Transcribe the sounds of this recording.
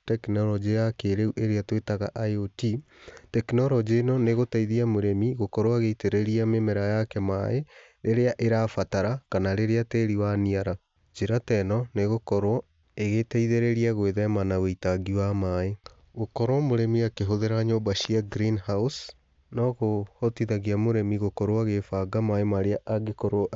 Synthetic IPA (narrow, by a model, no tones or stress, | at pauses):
tɛknɔɾɔd͡ʒijakeɾeuʔeɾeatwetaɣaʔajoti | tɛknɔɾɔd͡ʑenɔneɣotaiðiamoɾemiɣokɔɾwaɣeiteɾeɾiamemɛɾajakɛma̰e | ɾeɾeaʔeɾafataɾakanaɾeɾeateɾiwaniaɾa | d͡ʒeɾatɛnɔneɣokɔɾwɔ | eɣetaiðeɾeɾiaɣweðɛmanaɣeitaɡiwamae | ɣokɔɾwɔmoɾɛmiakeɦoðeɾaɲobaʃiaɡɾinhaus | nɔɣohɔtiðaɣiamoɾɛmiɣokɔɾwaɣefaɡamaemaɾeaʔaɡekɔɾ